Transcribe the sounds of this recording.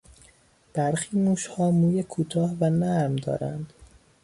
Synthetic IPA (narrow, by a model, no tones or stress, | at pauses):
b̥æɾxiːmuːʃhɒːmuːjekʰuːt̪ʰɒːhvænæɾmd̪ɒ̰ːɾæ̰nd̪̥